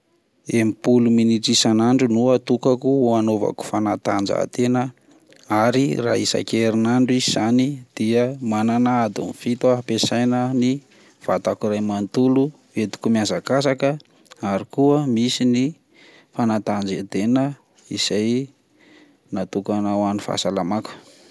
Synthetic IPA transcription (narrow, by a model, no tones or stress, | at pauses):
emipuluminiʈ͡ʂisanaɳɖ͡ʐunuat̪ukakuuanova̰ku̥fanat̪and͡ʒa̰t̪enə | aɾira̰isa̰keɾinaɳɖ͡ʐiziz̥anid̪̥iəmananaad̪ṵnifit̪uaɦapesajnəni | v̥a̰t̪akiɾajmant̪ulu | et̪u̥kumiazakasakə | aɾikuəmisini | fanat̪and͡zet̪enə | isaj | nat̪ukanawanifa̰salamaku̥